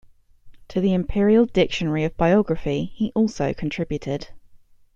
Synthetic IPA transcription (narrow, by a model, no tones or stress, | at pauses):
tʰəðiɪ̃mpʰɪəɹiəlˠdɪkʃə̃nəɹiəvbaɪɒɡɹəfiiʔɔˑlˠsəʊkʰə̃ntʰɹ̥ɪbjʉtʰɪd̥